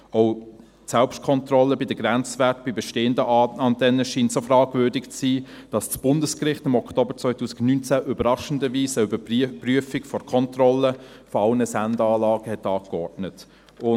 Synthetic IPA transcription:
oʊ | sɛlpʃtkʰɔntrɔlːəbidəɡ̥ɾɛnt͡svɛt̚b̥ibɛʃteːəndəɑntʰɛnːəʃiːntsofrɑːɡvøːdɪkt͡siː | d̥ɑst͡sb̥ʊndəskrɪχtɪmɔkʰtoːbəɾt͡svœʏtuːsɪ̥ɡnynt͡sæʔybəɾɑʃən̩dəviːsəybəpryəfɪkfɔɾkʰɔntrɔlːəfɔɑlnəsændəɑːlɑːɡ̥əhɛtːɑːkkɔɹdnət | ʊ

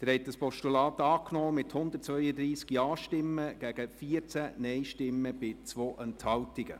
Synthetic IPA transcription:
d̥̪əɾhɛt̚dəspɔʃtulɑːt̪ɑːknɔːmɪthʊnd̪ətt͡svœʏjəd̪ɾiːskiɑːʃtɪmːəɡ̥æɡ̥əfiət͡sænɛɪʃtɪmːəb̥ɪt͡sʋoːʔənthɑltɪɡə̰

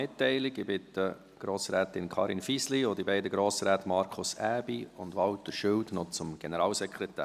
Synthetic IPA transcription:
ɪtːɛɪlɪɡɪbɪtə | ɡ̥ɾoːsɾɛːt̪ɪnkʰɑːɾinfisliod̪ibɛɪdəɡɾoːsɾæːtmɑɾkʰʊsæːbiʊndʋɑwtːəʃʏwtnɔt͡sʊmɡ̥ɛnəɾɑːlsɛkʰɾɛt̪æ̰ː

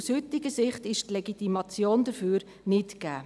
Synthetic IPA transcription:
ushʏt̪ɪɡəsɪχt̪ɪʃtlɛɡit̪imɑt͡sjoːnd̥əɾfyːɾ | nɪtkæ̰ː

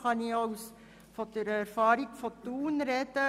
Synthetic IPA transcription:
χɑniɐws | fɔtyɾəɛrfɑːɾiŋfɔtuːnrɛtə

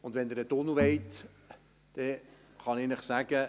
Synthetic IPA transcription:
ʊndʋɛnd̪əɾət̪onuʋeɪt̪ | d̥ɛ | χɑnɪnəχsæɡ̥ə

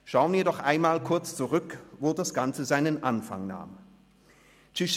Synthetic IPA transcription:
ʃaʊənviːɐdɔχʔaɪnmaːlkʰʊɐt͡st͡suʁʏkvoːdasɡ̥ant͡səzaɪnənʔanfa̰ŋna̰ːm | t͡ʃɪʃ

